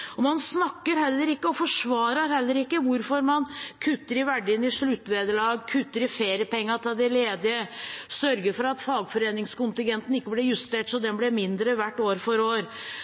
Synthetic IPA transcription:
ɔmɑnsnɑkːəɾhɛlːəɾɪkːəɔfɔʂʋɑːɾɑɾhɛlːəɾɪkːəʋʊɾfɔɾmɑnkʰʉt̪ːəɾɪʋæɖɪnɪʂɭʉt̪ːʋeːd̪əɭɑːɡkʰʉt̪ːəɾɪfeːɾjəpɛŋːɑt̪ʰɪld̪ɪleːd̪ɪəsœɾɡəɾfɔɾɑt̪fɑːɡfɔɾeːnɪŋskʊnt̪ɪŋɡɛnt̪n̩ɪkːəblɛjʉst̪eːʈsɔd̪ɛnblɛmɪnd̪ɾəʋæʈːoːɾfɔɾoːɾ

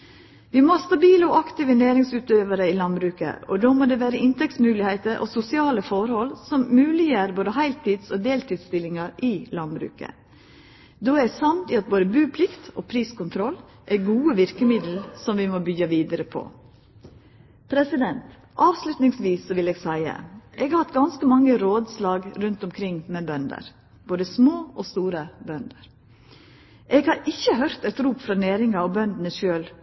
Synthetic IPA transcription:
ʋimoːst̪ɑbiːləoʔɑkt̪ɪʋəneːɾɪŋsʉːt̪øːʋəɾəilɑnbɾʉːkə̰ʔɔd̪oːmoːd̪eʋæːɾəɪnt̪ʰɛk̚t̪smʉːlɪheɪt̪əɾʔo̰sʊsɪɑːləfɔɾhɔlsɔmːʉːlɪjæːɾboːd̪əhæɪlt̪ʰiːd̪soːd̪eːlt̪ʰiːd̪st̪ɪlɪŋɑɾʔilɑnbɾʉ̰ːkə̰ | d̪oːæsɑmt̪ɪɑt̪̚boːd̪əbʉːpʰlɪkt̪ʔo̰ːpʰɾiːskʊnt̪ʰɾɔl | ʔɛɡuːəʋɪɾkəmɪd̪l̩sɔmʋɪmoːbʏɡɑʋiːd̪əɾəpʰo̰ | pʰɾɛsɪd̪ɛnt̪ | ʔɑːʋslʉt̪nɪŋsʋiːsːɔʋɪleːɡsæɪə̰ʔeːɡɑhɑt̪ɡɑnskəmɑŋːəɾoːd̪slɑːɡɾʉnt̪ʊmkʰɾɪŋmeːbœnd̪ə̰ɾ | boːd̪əsmoːʔɔst̪uːɾəbœnd̪əɾ | ʔeːɡhɑɾɪçːəɦœɾt̪ɛt̪ɾuːpfɾɑːnæːɾɪŋɑɔbœnd̪ənəʃøːl

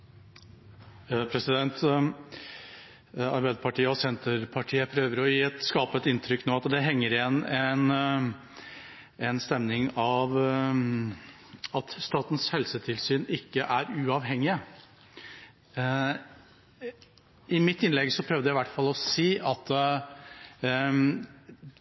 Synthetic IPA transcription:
pʰɾɛsɪd̪ɛnt̪ | ɑ̰ɾbæɪd̪əpʰɑʈiːəɔsɛnt̪əɾpʰɑʈʰiːəpʰɾøːʋəɾɔjiːɛt̪skɑːpəɛt̪ɪnt̪ʰɾʏkːnoːɑt̪d̪ɛɦɛŋːəɾɪɛnɛn | ɛnst̪ɛmnɪŋɑʋ | ɑt̪st̪ɑːt̪ən̩shɛlsət̪ʰɪlsyːnɪkːəʔæɾʉːɑʋɦɛŋːɪə | ɪmɪt̪ːɪnlɛɡsɔpʰɾœʋd̪əjæɪʋæʈːfɑlːɔsiːʔɑt̪

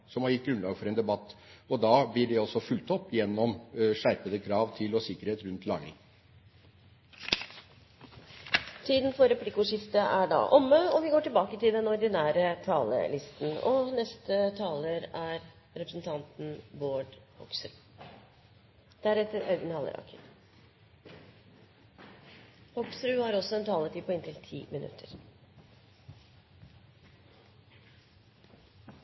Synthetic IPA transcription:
sɔmhɑɾjɪt̪̚ːɡɾʉnlɑːɡfɔɾɛeːnd̪ɛbɑt̪ːɔd̪ɑːblɪɖɛɔsɔfʉlt̪ɔpːjɛnːɔmʂæɾpəd̪əkʰɾɑːʋt̪ʰɪlɔsɪkːəɾheːt̪ɾʉnt̪ʰlɑŋə̰ | t̪ʰiːd̪nfɔɾɛpʰlɪkːʊːʂɪft̪əʔæɖɑ̰ːʔɔmːəɔʋɪɡoːʈɪlbɑːkət̪ɪld̪ɛnɔɾɖ̪ɪnæːɾət̪ʰɑːlə̰lɪst̪n̩ɔnɛst̪ət̪ʰɑːləɾæɾ | ɾɛpɾəsn̩t̪ʰɑnt̪n̩boːɖhɔksɾʉː | d̪̥æɾɛt̪ːəɾɑʉɡənhɑlə̰ɾɑ̰ːkʰəɾ | hɔksɾʉːhɑɾɔsɔɛnt̪ʰɑːlət̪iːpʰɔɪnt̪ʰɪlt̪ʰḭːmɪnʉ̰t̪ʰəɾ

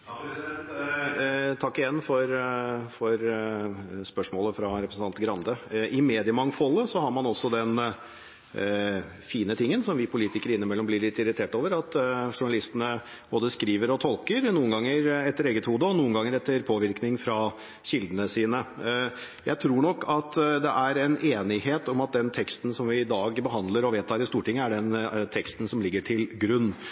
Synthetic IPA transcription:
t̪ʰɑkːɪjɛnːfɔɾfɔɾ | spœʂmoːləfɾɑɾɛpɾəsn̩ɑnt̪ɡɾɑnd̪əʔɪmeːd̪ɪəmɑŋfɔlːəsɔhɑɾmɑnɔsːɔd̪ɛn | fiːnət̪ʰɪŋːənsɔmʋɪpʰʊliːt̪ɪkəɾəɪnːəmɛlːɔmblɪɾɭɪt̪ːɪɾɪt̪ʰeːʈoːʋəɾɑt̪ʂʊɳɑlɪst̪ənə | b̥oːd̪əskɾiːʋəɾɔt̪ʰɔlkəɾnuːənɡɑŋːəɾɛt̪ːəɾeːɡət̪huːd̪əɔnuːənɡɑŋːəɾɛt̪ːəɾpʰoːʋɪɾknɪŋfɾɑ | ɕɪld̪ənəsiːnə | jæɪt̪ʰɾuːɳɔkːɑt̪d̪ɛʔæɾɛneːnɪheːt̪ɔmɑt̪̚d̪ɛnt̪ʰɛkst̪n̩sɔmʋɪːd̪ɑːɡbəɦɑnd̪ləɾɔʋeːt̪ʰɑːɾɪst̪uːʈɪŋːəæɖɛnt̪ʰɛkst̪n̩sɔmlɪɡːəʈʰɪlɡɾʉnː

